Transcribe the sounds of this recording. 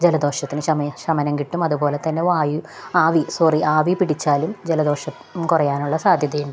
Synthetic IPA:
d͡ʑelɐd̪o̞ːʂɐt̪ːinɨɕɐmɕɐmɐnɐŋkiʈːumɐðupo̞ːle̞t̪ɐnːe̞ʋaːju | aːʋisoriʔaːʋipiɽit͡ɕːaːlumd͡ʑelɐd̪o̞ːʂɐ | kurɐjaːnuɭːɐsaːd̪ʱjɐðɐjunɖ

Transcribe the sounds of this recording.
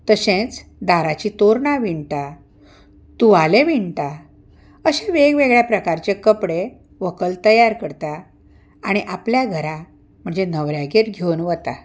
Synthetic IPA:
t̪əɕẽt͡sd̪aɾat͡ɕit̪oɾɳaʋiɳʈa | t̪uʋaleʋiɳʈa | əɕẽʋeɡʋeɡɭjapɾəkaɾt͡ɕekəpɽe | ʋəkəlt̪əjaɾkəɾt̪a | aɽ̃iʔapljaɡʱəɾa | m̤əɳd͡zenəʋɾjaɡeɾɡʱewnʋət̪a

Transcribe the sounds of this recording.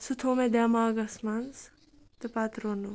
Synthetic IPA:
sut̪ʰoːmed̪aːmaːɡɐsmɐns | t̪ɨpaːt̪ɾoːnu

